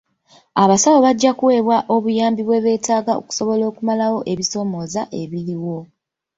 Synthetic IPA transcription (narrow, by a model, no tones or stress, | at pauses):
aβasawo̞βaɟːakuwe̞ːβwaʔo̞βujaːmbiβwe̞βe̞ːtaːɡao̰ku̥so̞βo̞lo̞ːkumalawo̞ʔe̞βiso̞ːmo̞ːzaʔe̞βiliwo̞